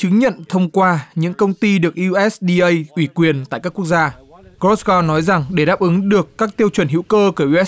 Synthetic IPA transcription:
t͡ɕɨ˨˦ŋɲə̰˧˨nt̪ʰə˧wŋ͡mkwaː˧ɲɨ̰˧˥ŋkə˧wŋ͡mt̪i˧ɗɨ˨˩ək̚ʔi˧ʔɛ˦˥sɗi˧ʔə˧jʔwi˧˩kwi˨˩ənt̪a̰ː˧˨jkaː˦˥ku˦˥ək̚zaː˧ɣɔ˦˥sɣɔ˧nɔ˨˦jza˨˩ŋɗe˧˩ɗaː˦˥p̚ʔɨ˨˦ŋɗɨ˨˩əkːaː˦˥k̚t̪i˧əwt͡ɕwə˧˩nɦḭ˧˥wkəː˧ku˧˩ʔʔɛ˦˥

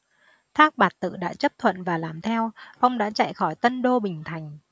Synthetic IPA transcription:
t̪ʰaː˦˥k̚ɓaː˨˩t̚t̪ɨ̰˧˨ɗa̰ː˧˥t͡ɕə˦˥p̚t̪ʰwə̰˧˨nvaː˨˩laː˨˩mt̪ʰɛ˧wfa˧wŋ͡mɗa̰ː˧˥t͡ɕa̰˧˨jxɔ˧˩jt̪ə˧nɗo˧ɓï˨˩ŋ̟t̪ʰa˨˩jŋ̟

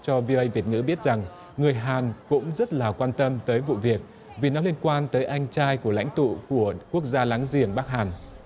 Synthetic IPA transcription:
t͡ɕɔ˧vi˧o˧ʔə˧jvi˨˩ət̚ŋɨ̰˧˥ɓi˦˥ət̚z̥a˨˩ŋ | ŋɨ˨˩əjɦaː˨˩nkʊ̰˧˥ŋ͡mzə˦˥t̚laː˨˩kwaː˧nt̪ə˧mt̪əː˨˦jvṵ˧˨vi˨˩ək̚ | vi˨˩nɔ˨˦li˧ənkwaː˧nt̪əː˨˦jʔa˧jŋ̟t͡ɕaː˧jku˧˩əla̰˧˥jŋ̟t̪ṵ˧˨ku˧˩əku˦˥ək̚zaː˧laː˨˦ŋzi˨˩əŋɓa˦˥k̚haː˨˩n

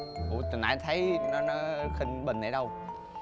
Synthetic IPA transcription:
ʔu˨˧˩t̪ɨ˨˩ŋʔa̰ː˧˩jt̪ʰə˨˦jnɔ˨˦nɔ˨˦xï˧ŋɓï˨˩ŋ̟ʔa̰˨˧˩jɗə˧w

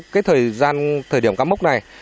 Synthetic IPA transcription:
kaː˨˦jt̪ʰəː˨˩jzaː˧nt̪ʰəː˨˩jɗi˧˩əmkaː˨˦˥mʊ˦˥k͡p̚na˨˩j

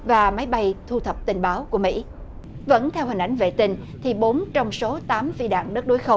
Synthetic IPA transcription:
vaː˨˩ma˨˦jɓa˧jt̪ʰu˧t̪ʰə˨˩p̚t̪ï˨˩ŋ̟ɓaː˨˦wku˧˩əmḭ˧˥ | və̰˧˥nt̪ʰɛ˧whï˨˩ŋ̟ʔa˨˦jŋ̟vḛ˧˨t̪ï˧ŋt̪ʰi˨˩ɓo˨˦nt͡ɕɔ˧wŋ͡mso˨˦t̪aː˨˦mfi˧ɗa̰ː˧˨ŋɗə˦˥k̚ɗo˨˦jxə˧w

